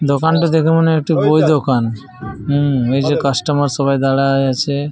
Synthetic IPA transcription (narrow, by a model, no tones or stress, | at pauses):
d̪okanʈod̪ekʰemɔneek̚ʈibojd̪okan | ɦejd͡ʒekasʈɔmaɾsɔbajd̪aɽaajat͡ɕʰe